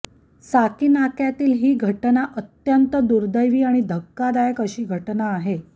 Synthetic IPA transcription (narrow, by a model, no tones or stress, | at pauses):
sakiːnakjat̪iːlɦiːɡʱəʈnaʔət̪jənt̪əd̪uɾd̪əjʋiːaɽ̃id̪ʱəkːad̪ajəkəɕiːɡʱəʈnaːɦe